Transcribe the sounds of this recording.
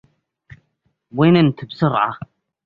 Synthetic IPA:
winənt̪əbsʊɾˤʕa̰

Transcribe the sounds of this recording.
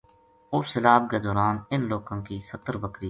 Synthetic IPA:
ʊfsɪlaːb̚keːd̪ɔːɾaːnɪnloːkãːkiːsət̪ːəɾbəkɾiː

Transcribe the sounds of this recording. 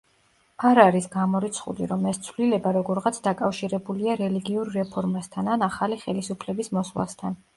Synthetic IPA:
aɾaɾisɡamɔɾit̪sʰχṵlḭɾɔmɛst̪sʰvlilɛbaɾɔɡɔɾʁat̪sʰd̪akʼafʃiɾɛbuliaɾɛliɡiuɾɾɛpʰɔɾmast̪ʰananaχaliχɛlisupʰlɛbismɔslˠa̰st̪ʰan

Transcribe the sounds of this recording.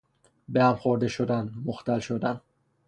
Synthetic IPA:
behæmxoɾd̪eʃod̪ænmoxt̪ælʃod̪æn

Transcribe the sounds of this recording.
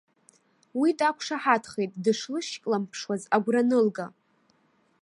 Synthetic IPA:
widakʷʰʂaħatʰχejtʼdɨʂlɨʃkʼlampʰʂwazaɡʷranɨlɡa

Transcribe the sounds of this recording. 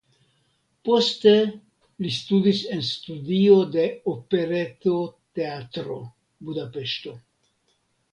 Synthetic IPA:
po̞ste̞ | list̪udise̞nst̪udiod̪e̞ope̞ɾet̪ot̪e̞at̪ɾo̞̰ | budape̞ʃto̞

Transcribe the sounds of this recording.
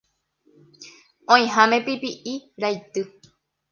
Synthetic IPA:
õĩɦãmẽ̞pipiʔiɾajt̪ɨ

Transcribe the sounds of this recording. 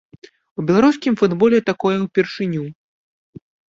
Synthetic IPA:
ubʲɛlˠaɾuskʲimfud̪bɔlʲɛt̪akɔjɛwpʲɛrʂɨnʲu

